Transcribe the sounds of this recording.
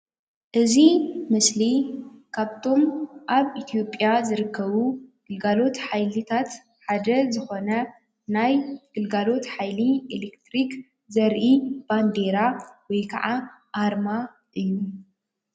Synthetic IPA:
ʔɨzimɨslikʰaβt̪ʰo̞mʔaβit̪ʰijo̞pʼːjazɨɾɨkːɐβuɡ̥ɨlɡalo̞t̪ħajlɨt̪ʰat̪ | ħad̪ɐzɨxo̞nɐ | najɡ̥ɨlɡalo̞t̪ħajlielekt̪ɾik | zɐɾʔib̥and̪e̞ɾawɔjkʰɐʕa | ʔːɾma | ʔɨjːu

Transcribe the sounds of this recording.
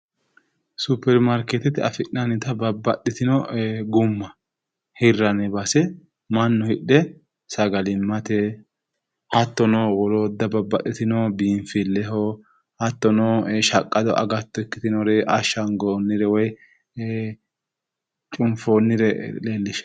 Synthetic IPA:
sʊpːɛɾmɐɾket̪ɛt̪ɪɐfɪʔnɐnɪt̪ɐbɐbːɐɗːɪt̪ɪnɔɡʊmːɐ | hɪrːɐnɛbɐsɛ | mɐnːʊhɪɗːɛ | sɐɡɐlɪmːɐt̪ɛ | hɐt̪ːɔnɔwɔloːd̪ːɐbɐbːɐɗːɪt̪ɪnɔbiːɱfɪlːɛɦɔ | hɐt̪ːɔnɔʃɐkʼːɐd̪ɔʔɐ̰ɡɐt̪ːɔɛkːɪt̪ɪnɔɾɛʔɐʃːɐŋɡoːnːɪɾɛwɔj | t͡ʃʼʊmfoːnːɪɾɛleːlːɪʃɐ̥

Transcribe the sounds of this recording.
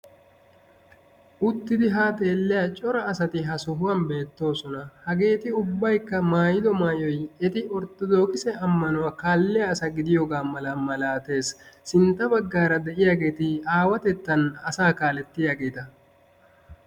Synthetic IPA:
ʔʊt̪ːɪd̪ɪɦaːt̪ʼe̞ːlːɪjat͡ʃʼɔɾɐːsɐt̪ɪɦɐsʊɦʊwɐnbe̞ːt̪ːo̞ːsɔnɐhɐɡe̞ːt̪ɪʊbːɐjkːɐmaːjɪd̪ɔmaːjɔjɛt̪ɪɔɾt̪ːɔd̪o̞ːkɪsɛʔɐmːɐnʊwaːkaːlːɪjɐːsɐɡɪd̪ɪjoːɡaːmɐlɐmɐlaːt̪e̞ːsːɪnt̪ːɐbɐɡːaːɾɐd̪ɛʔɪjaːɡe̞ːt̪ɪaːwɐt̪ɛt̪ːɐnɐsaːkaːlɛt̪ːɪjaːɡe̞ːt̪ɐ

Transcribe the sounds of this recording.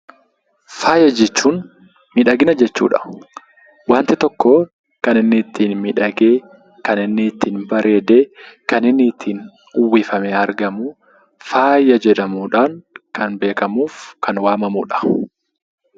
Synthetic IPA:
faːjɐd͡ʒɛt͡ʃːuːn | mɪᶑɐɡɪnɐd͡ʒɛt͡ʃːṵːᶑɐ̥ | waːnt̪ɪt̪ɔkːoː | kɐnɪnːɪːt̪ːiːnmɪᶑɐɡeː | kɐnɪnːɪt̪ʰːiːnbɐɾʔe̞ːd̪e̞ːkɐnɪnːɪːt̪ʰːiːn | ʊwːiːfɐmeːɐɾɡɐmu | faːjɐd͡ʒɛᶑɐmuːᶑaːŋkɐnbe̞ːkɐmuːfkʰɐnwaːmɐmṵːᶑɐ̥

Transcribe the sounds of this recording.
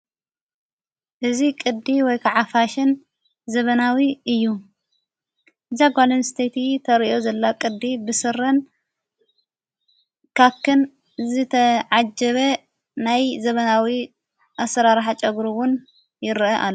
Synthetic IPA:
ʔɨzikʼɨd̪iwɔjkʰaʕafaʃɪn | zɐβɐnawiʔɨjːu | ɨzaɡʷalɐnst̪ʰet̪ʰit̪ʰɐɾiʔo̞zɐlːakʼɨd̪ibɨsɨɾɐn | kʰakʰːɨn | zɨt̪ʰɐʕad͡ʒɐβɐ | najzɐβɐnawi | ʔasɐɾaɾħat͡ʃʼɐɡɾuwʊn | jɪɾʔɐʔa̰lːo

